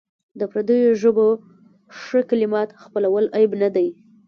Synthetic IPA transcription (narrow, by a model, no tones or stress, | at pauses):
d̪əpɾad̪əjoʒəbo | ʂəkalɪmɑt̪xpəlawəlʔajbnad̪aj